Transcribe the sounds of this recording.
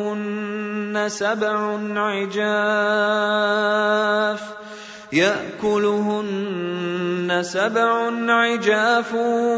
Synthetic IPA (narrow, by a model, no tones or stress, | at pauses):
ʊnːasabʕʊnʕɪd͡ʒaː | f | jaʔkʊlʊɦʊnnː | asabʕʊnʕɪd͡ʒaːf